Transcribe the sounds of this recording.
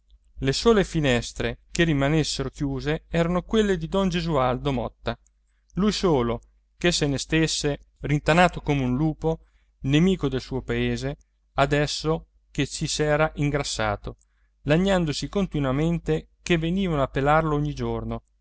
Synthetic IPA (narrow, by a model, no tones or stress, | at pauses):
lesoːlefinɛst̪ɾekerimanesːeɾokjuːzeɛːɾanokwelːed̪id̪ɔnd͡ʒezuald̪omɔ̰t̪ːa | lujsoːlo | kesːenest̪esːerint̪anaːt̪okomeunluːpo | nemiːkod̪elsuːopaeːze | ad̪ɛsːo | ket͡ʃːisɛːɾaʔiŋɡɾasːa̰ːt̪o | laɲːand̪osikont̪inwament̪e | kevːeniːvanoapːelarlooɲːid͡ʒorno